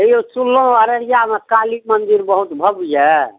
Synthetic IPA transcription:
eot͡ʃulːõəɾəɾjamekalik̚mənd̪iɾbəɦut̪bʱəbujɛ

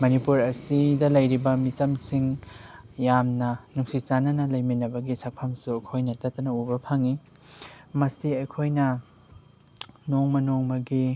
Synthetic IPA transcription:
mɐnipuɾɐsidɐlɐjɾibɐmit͡ʃɐmsiŋ | jamnɐnuŋsit͡ʃanɐnɐlɐjminɐbɐɡisak̚pʰamsuɐjkʰojnɐtatɐnɐubɐpʰaŋi | mɐsiɐjkʰojnɐ | noŋmɐnoŋmɐɡi

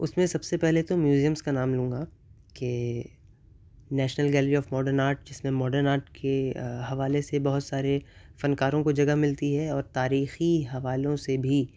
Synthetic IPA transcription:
ʊsmẽsɐbsepɛɦlet̪omjuːzijə̃mzkanaːmlũːŋɡa | ke | nɛːʃnəlɡɛːlɾiɔːfmɔːɖəɾnaːɾʈ̚d͡ʒɪsmẽmɔːɖəɾnaːɾʈkʰeɦɐʋaːlesebɐɦʊt̪saːɾefɐnkaːɾõkod͡ʒɐɡaɦmɪlt̪iɦɛɔːɾt̪aːɾiːxiɦɐʋaːlõsebʱi

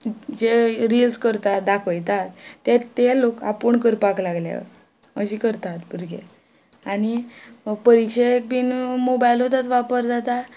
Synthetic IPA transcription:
d͡ʑeɾilskəɾt̪at̪d̪akʰəjt̪at̪ːet̪eloka̰pəɳkəɾpaklaɡlja̰ | əɕikəɾt̪at̪buɾɡḛ | añipəɾikɕeek̚piːnmobajlot̪at̪ʋapəɾd͡zat̪a

